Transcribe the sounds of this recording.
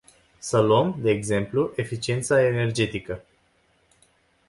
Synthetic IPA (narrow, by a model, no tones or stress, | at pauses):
səluəmd̪e̞ːɡze̞mpluʔe̞fit͡ʃie̞nt̪sae̞ne̞rd͡ʒe̞t̪ikə